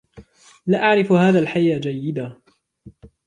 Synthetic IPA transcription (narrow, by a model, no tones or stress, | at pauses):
laʔaʕɾɪfhaːðaːlħajːaːd͡ʒajːɪd̪a